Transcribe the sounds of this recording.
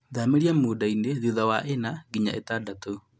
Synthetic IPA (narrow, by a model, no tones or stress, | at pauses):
ðameɾiamoːdaineðiðawaʔenaɡiɲa̰ʔḛtadato